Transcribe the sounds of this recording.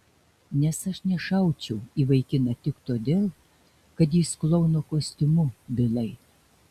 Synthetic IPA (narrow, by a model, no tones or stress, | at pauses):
nʲɛsɐʃnʲɛʃɐʊt͡ʃʲɛʊiːʋɐɪkʲɪnɐt̪ʲɪkt̪oːd̪ʲeːlˠ | kɐt̪jiːsklˠɔʊnokoːsʲt̪ʲɪmʊbʲɪlˠɐɪ